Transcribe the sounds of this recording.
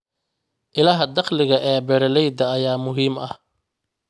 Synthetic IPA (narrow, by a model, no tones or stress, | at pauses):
ʔɪlɐɦɐd̪ɑqlɪɣɐʔɛːbɛɾɛlɛjd̪ɐːjaːmʊɦiːmɐh